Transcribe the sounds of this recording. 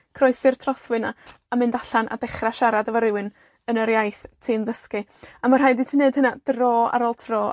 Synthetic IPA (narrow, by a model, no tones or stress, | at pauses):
kʰrɔjsɨrtʰrɔθwɨnaamɪndaɬanʔa̰dɛχraʃaɾadavaɾɪwɨn | ənəɾjajθtʰinðəskɨamarɦajditʰineɨd̥hənad̥roːa̰ɾɔlˠtʰrɔː